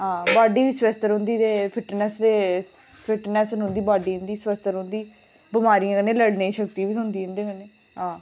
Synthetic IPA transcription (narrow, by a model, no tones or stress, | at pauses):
ɦãːbaːɖiːʋiːsʋɛst̪əɾɦʊ̃nd̪iːt̪eːpʰɪʈnɛsd̪eː | pʰɪʈnɛːsnʊ̃nd̪iːbaːɖiːɦʊ̃nd̪iːsʋɛst̪əɾɦõnd̪iː | bɪmaːɾijãːkəneːləɽneːʃək̚t̪iːʋiːʊ̃nd̪iːɦʊ̃nd̪eːkəneː | ɦãː